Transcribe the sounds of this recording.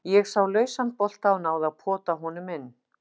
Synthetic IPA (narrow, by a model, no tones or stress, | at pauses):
jɛɣsawlœːɥsanpɔl̥t̪awnaːwðaðpʰɔːt̪aɦɔnʏmɪnː